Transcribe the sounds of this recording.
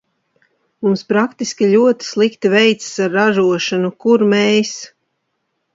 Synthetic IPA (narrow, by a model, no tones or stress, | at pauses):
mumspɾakt̪iskʲiʎʲuɔt̪i̥slˠikt̪ivɛjt̪ssaɾːaʒuɔʃanukuɾmɛjs